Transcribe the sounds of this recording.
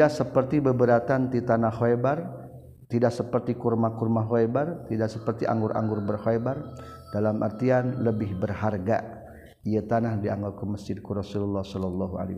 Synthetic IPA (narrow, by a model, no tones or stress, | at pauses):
aʔsəpərt̪ibəbəɾat̪ant̪it̪anahoebar | t̪idaʔksəpərt̪ikurmakurmaɦoebart̪idaksəpərt̪iʔa̰ŋɡʊɾʔa̰ŋɡʊrbərhoebar | d̥alamʔa̰rt̪ianləbɪhbərɦarɡa̰ | ijat̪anahdiaŋɡɔlkuməsd͡ʒɪd̚kuɾɔsululːɑhsɔlɔlːɔɦua̰li